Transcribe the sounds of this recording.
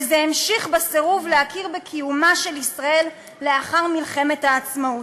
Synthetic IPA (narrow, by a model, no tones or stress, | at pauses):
zeemʃiχbaseʁuvleakiʁbekʰijumaʃe̞lisʁae̞lː | e̞aχaʁmilχe̞methaːt͡smaut